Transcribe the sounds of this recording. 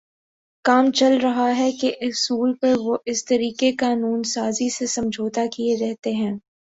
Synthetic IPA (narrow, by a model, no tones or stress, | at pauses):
kaːmt͡ʃɐlɾɐɦaɦɛkeʔɪsuːlpɐɾʋoʔɪst̪ɐɾiːkekaːnuːnsaːzisesɐ̃md͡ʒʱoːt̪akieɾɛɦt̪eɦɛ̃ː